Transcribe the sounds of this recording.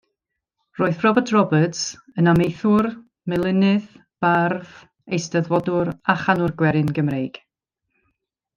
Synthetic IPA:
roːɨθrɔbətʰrɔbəts | ənamejθʊr | mɛlˠɪnɨð | b̥arð | ejstəðvɔdʊɾaχanʊrɡwɛɾɨnɡəmrejɡ̥

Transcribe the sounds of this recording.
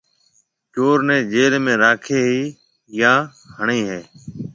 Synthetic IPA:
t͡ʃoːɾnẽːd͡ʒeːlmẽːɾaːkʰeːɦiː | jãː | həɳiːɦeː

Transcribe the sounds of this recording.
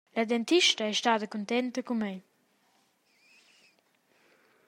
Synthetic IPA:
lad̪ɛnt̪iʃt̪əɛʃt̪ad̪əkunt̪ɛnt̪əkumej

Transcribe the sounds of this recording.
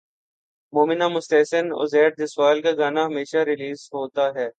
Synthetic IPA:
moːmɪnamʊst̪ɛːsəno̰zɛːʈ̚d̪ɪswaːlkaɡaːnaɦɐmeːʃaɾɪliːzɦoːt̪aɦɛː

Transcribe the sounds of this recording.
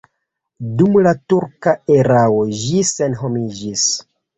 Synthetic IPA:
dumlatuɾkaeɾawoʒd͡ʒise̞nɦo̞mid͡ʒis

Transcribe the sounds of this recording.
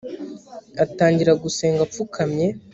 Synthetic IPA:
ataːɲɟiɾaɡuse̞ːŋɡap͡fukʰamɲe̞

